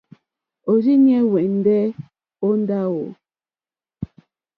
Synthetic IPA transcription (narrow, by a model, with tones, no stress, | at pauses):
o˨d͡ʒi˦ɲɛ˦wɛ˨n̩˦dɛ˦ | o˦n˦da˦wo˨